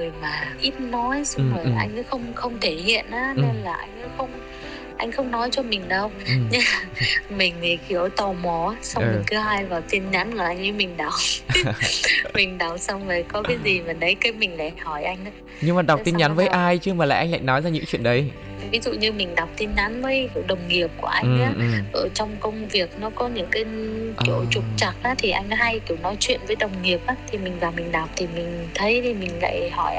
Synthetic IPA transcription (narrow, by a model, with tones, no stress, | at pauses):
ɨ˨˩əjmaː˨˩ʔi˦˥t̚nɔ˨˦jsa˧wə˨˩˨ʔa̰˧jŋ̟̰ː˨˦xə˧wŋ͡mxə˧wŋ͡mt̪ʰe˧˩hḭ˧˨ənʔaː˨˦˨e˧nlaː˨˩ʔa˧jŋ̟a˨˦xə˧wŋ͡m | ʔa˧jŋ̟xə˧wŋ͡mnɔ˨˦jt͡ɕɔ˧mï˨˩ŋ̟ɗə˧wɲɨ˧mï˨˩ŋ̟t̪ʰi˨˩ki˨˦əwt̪ɔ˧˩mɔ˨˦sa˧ɨː˨˩kɨ˨˦ɦaː˧jvaː˨˩wt̪i˧ənɲa˨˦nkɔ˨˩ʔa˧jŋ̟ʔɨ˨˦mï˨˩ŋ̟ɗa˨˩w | mï˨˩ŋ̟ɗa˨˩wsa˧wŋ͡mləː˨˩jkɔ˨˦kaː˨˦jzi˨˩və˨˩nɗə˨˦jkə˨˦mï˨˩ŋ̟la˨˩hɔ˧˩jʔa˧jŋ̟ʔa˨˦ | ɲɨ˧ŋmaː˨˩ɗa˨˩k͡pt̪i˧nɲa˨˦nvəː˨˦jʔaː˧jt͡ɕɨ˧əmaː˨˩a̰ː˧˨˩ʔa˧ŋ̟la̰ː˧˨jnɔ˨˦jzaː˧ɲɨ̰˧˥ŋt͡ɕwḭ˧˨ənɗə˨˦j | vi˨˦zṵ˧˨ɲɨ˧mï˨˩ŋ̟ɗa˨˩wk͡p̚t̪i˧nɲa˨˦nvəː˨˦jki˧˩wɗə˨˩wŋ͡mŋi˨˩əp̚ku˧˩əʔa˧jŋ̟˨ʔaː˨˦˨ʔəː˧˩t͡ɕɔ˧wŋ͡mkə˧wŋ͡mvi˨˩ək̚nɔ˨˦kɔ˨˦ɲɨ̰˧˥ŋkaː˨˦jt͡ɕo̰˧˩t͡ɕʊ˨˩k͡p̚t͡ɕa˨˩k̚ʔaː˨˦t̪ʰi˨˩ʔa˧jŋ̟˨˦ɦa˧jki˧˩wnɔ˨˦jt͡ɕwḭ˧˨ənvəː˨˦jɗə˨˩wŋ͡mŋi˨˩əp̚ʔaː˨˦t̪ʰi˨˩mï˨˩ŋ̟vaː˨˩mï˨˩ŋ̟ɗa˨˩wk͡p̚t̪ʰi˨˩mï˨˩ŋ̟t̪ʰə˨˦jt̪ʰi˨˩mï˨˩ŋ̟la̰ː˧˨jhɔ˧˩jʔ